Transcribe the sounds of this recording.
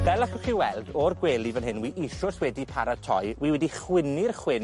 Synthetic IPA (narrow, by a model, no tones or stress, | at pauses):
vɛlˠakɔχiwɛlˠdɔrɡweːlˠivənɦɪnwiʔiʃɔswɛdipʰaɾatʰɔ̰jwiːwɛdiχwɪnɪrχwɪn